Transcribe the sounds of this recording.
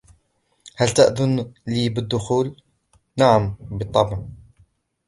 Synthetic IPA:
hælt̪aʔðʊnliːbəd̪ːʊxuːl | naʕambɨt̪ˤːɑbʕ

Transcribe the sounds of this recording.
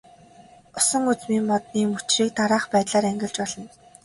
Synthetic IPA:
ʊsə̆ŋut͡smiːmmɔt̪niːmut͡ɕriːk̚t̪aɾaːχpæːt̪ɮaːɾæŋɡʲɪ̆ɮt͡ɕpɔɮɞ̆n

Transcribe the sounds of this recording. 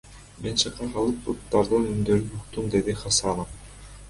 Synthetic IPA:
menʃɯqːɑɦɑlˠɯp̚but̪ːɑɾd̪ɯnynd̪øɾynuqt̪umd̪ed̪iχɑsɑnof

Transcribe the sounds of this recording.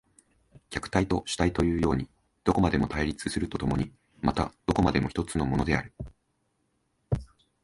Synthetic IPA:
kʲakɯ̟̥t̪ait̪o̞ɕi̥t̪ait̪o̞jɯ̟ːjo̞ːɲ̟i | d̪̥o̞ko̞mad̪e̞mo̞t̪aiɾʲit͡sɨsɨɾɯ̟t̪o̞t̪o̞mo̞̰ɲ̟i | mat̪a̰d̪̥o̞ko̞mad̪e̞mo̞çi̥t̪o̞t͡sɨno̞mo̞no̞d̪e̞a̰ɾɯ̟

